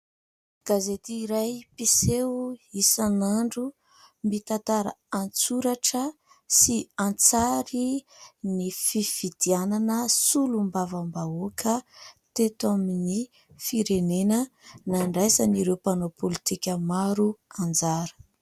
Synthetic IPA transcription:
ɡ̥azet̪iːɾajpiseisanaɳɖ͡ʐu | mit̪ant̪aɾa̰ant͡suɾaʈ͡ʂə | siant͡saɾinififid̪̥iananəsulumbavambaokʰət̪et̪amini | fiɾenenənaɳɖ͡ʐajsaniɾewpanopʰolit̪ikʲəmaɾuand͡zaɾə̥

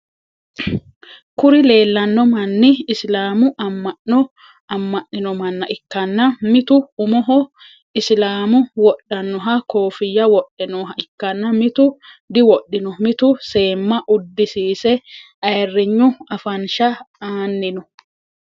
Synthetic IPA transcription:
kʊɾɪle̞ːlːɐnːɔmɐnːɪːslaːmʊʔɐmːɐʔɔ | ɐmːɐʔːɪnɔmɐnːɐʔɪkːɐnːɐmɪt̪ʊʊmɔɦɔ | ɪslaːmʊwɔɗːɐnːɔɦɐkoːfɪjːɐwɔɗːɛnɔːɦɐɪkːɐnːɐmɪt̪ʊd̪ɪwɔɗːɪnɔmɪt̪ʊse̞ːmːɐʔʊd̪ːɪsiːsɛ | ɐjɛrːɪɲːʊɐfɐnʃɐaːnːɪnɔ

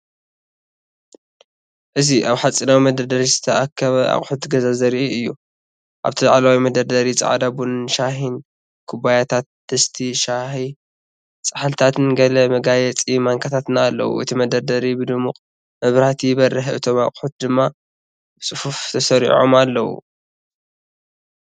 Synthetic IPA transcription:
ʔɨziʔaβħat͡sʼːinawimɐd̪ɐɾd̪ɐɾizɨt̪ʰɐakʰːɐβɐʔa̰χʼħut̪ɡɐzazɐɾiʔiɨjːu | ʔa̰βt̪ʰɨla̰ʕlawimɐd̪ɐɾd̪ɐɾit͡sʼɐ̰ʕa̰d̪abunʃaɦin | kʰubajat̪ʰat̪̚d̪̥ɐst̪ʰiʃaħi | t͡sʼaħalt̪ʰat̪ʰɨnɡɐlɐmɐɡajɛt͡sʼimaŋkʰat̪ʰat̪naːlːɐ̰wṵʔɨt̪ʰimɐd̪ɐɾd̪ɐɾibɨd̪ɨmuqʼ | mɐβɾat̪ʰibɐrɨħʔɨt̪ʰoma̰kʼħut̪̚d̪ɨmːa | bɨt͡sʼɨfuft̪ʰɐsɐɾḭʕo̰malːɐwṵ

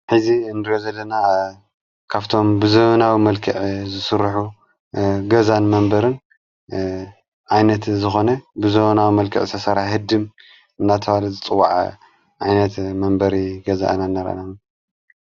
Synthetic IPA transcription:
ħɨziɨnɨɾozɐlːɐna | kʰaβt̪ʰo̞mbɨzonawimɐlkʰɨʕzɨsɨɾːħu | ɡɐzanmɐmbɐɾɨn | ʕajnɐt̪zɨxo̞nɐbɨzonawimɐlkʰɨ̰ʕzɨt̪ʰɐsɐɾahɨd̪ɨm | ɨnːat̪ʰɐwalɐzɨt͡sʼɨwːaʕ | ʕajnɐt̪mɐmbɐɾiɡɐza̰ʔnanːɐɾa̰nam

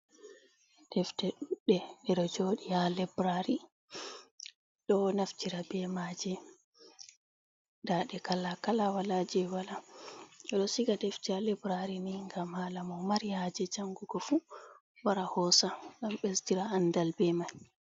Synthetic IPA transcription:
d̥ɛftɛɗuɗːɛɛɗɔd͡ʒoːɗijalɛbɾaɾi | ɗɔnaftiɾabɛmad͡ʒɛ | daːɗɛkalakalawalad͡ʒɛwala | ɛɗɔsiɡadɛftialɛbɾaɾiniŋɡamhalamɔmaɾijad͡ʒɛd͡ʒaŋɡuɡɔfu | waɾahɔsaŋɡamɓɛstiɾaandalbɛmaj

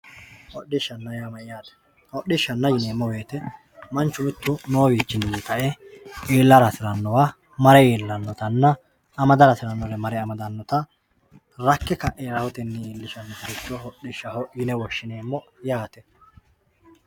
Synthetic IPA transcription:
hɔɗːɪʃːɐnːɐjamɐjjaːt̪ɛ̥ | hɔɗːɪʃːɐnːɐjɪneːmːɔbe̞ːt̪ɛ | mɐnt͡ʃːʊmɪt̪ːʊnoːbiːt͡ʃːɪnːɪnɪkɐʔɛʔeːlːɐɾɐsɪɾɐnːɔwa | mɐɾɛjeːlːɐnːɔt̪ɐnːɐː | mɐd̪ɐɾɐsɪɾɐnːɔɾɛmɐɾɛɐmɐd̪ɐnːɔt̪ɐ | ɾɐkːɛkɐʔeɾɐhʊt̪ɪnːɛiːlːɪʃɐnːɛt̪ɪɾɪt͡ʃːɔhɔɗɪʃːɐhɔjɪnɛwɔʃːɪneːmːɔjaːt̪ɛ̥

